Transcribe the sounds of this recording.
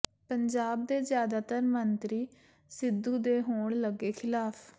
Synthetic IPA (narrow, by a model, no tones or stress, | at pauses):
pəɲd͡ʒaːb̚d̪eːzjaːd̪aːt̪əɾmənt̪ɾiː | sɪd̪uːd̪eːɦoːɳləɡeːkʰɪlaːpʰ